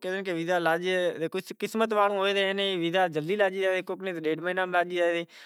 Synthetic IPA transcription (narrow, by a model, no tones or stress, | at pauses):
ked̪əkeʋɪd̪aːlaːd͡ʒed̪eːkʊt͡ʃkɪsmət̪̬ʋaːlõːɦoːed̪eːnẽːʋɪd̪aːd͡ʒəld̪iːlaːd͡ʒiːd͡ʒaːd̪eːkʊknẽːt̪eɗeːɖmənaːmlaːd͡ʒiːd͡ʒaːed̪eː